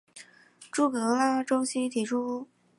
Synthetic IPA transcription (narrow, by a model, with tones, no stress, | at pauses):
ʈ͡ʂu˥˩kɤ˧˥la˥˩ʈ͡ʂo˥ʊɕi˥t̪ʰi˨˧˥ʈ͡ʂʰu˥